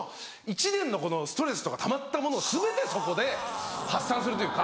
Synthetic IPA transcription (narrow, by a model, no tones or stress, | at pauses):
it͡ɕinẽ̞nːo̞ko̞no̞sɨ̥t̪o̞ɾe̞sɨ̥t̪o̞kat̪ʰamat̪ːamo̞no̞ːsɨbe̞t̪e̞so̞ko̞d̪e̞hasːãsɨɾɯt̪o̞jiɯːka